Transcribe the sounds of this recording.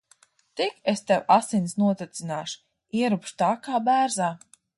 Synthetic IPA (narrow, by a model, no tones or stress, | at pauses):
t̪ikest̪ɛwasinʲsnuɔt̪ɛt̪sinaːʃu̥ | iɛɾupʃt̪aːkaːbæːɾzaː